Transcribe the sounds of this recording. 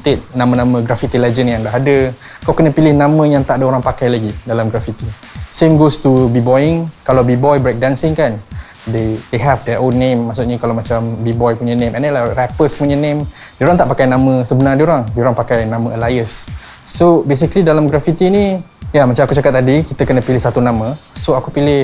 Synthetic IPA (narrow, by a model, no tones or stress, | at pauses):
t̪ɪt̪̚nãmə̃nãmə̃ɡɾafit̪ilɛd͡ʒənjaŋdaɦadə | kawkənə̃pilɪhnãmə̃jaŋt̪aʔadəoɾaŋpakajlaɡidalamɡɾafit̪i | semɡost̪ubibɔjɪŋkalawbibɔjbɾɛk̚dansɪŋkan | dedeɦɛfdɛʔonːẽmːaʔsut̪ʔ̚ɲəkalawmat͡ʃambibɔjpuɲənẽmʔɛ̃nelarɛpəsəmuɲənẽm | dioɾaŋt̪aʔpakajnãmə̃səbənardioɾaŋdioɾaŋpakajnãmə̰̃əlajəsː | obes̬ikəlidalamɡɾafit̪inĩjəlamat͡ʃamakut͡ʃakat̪̚t̪ːadikit̪əkənə̃pilɪhsat̪unãmə̃soakupilɪh